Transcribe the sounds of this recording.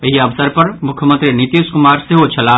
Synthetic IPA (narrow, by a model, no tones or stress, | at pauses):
əɦiɐʋsəɾpɐɾmʊkʰjəmə̃nt̪ɾinit̪iːʃkʊmaːɾseɦot͡ʃʰɐla